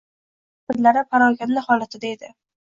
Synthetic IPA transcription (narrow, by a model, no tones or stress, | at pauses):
bɪd̪laɾɪpʰaɾɒɡʲanlɪhɒlˠat̪ʰɪd̪aed̪ɪ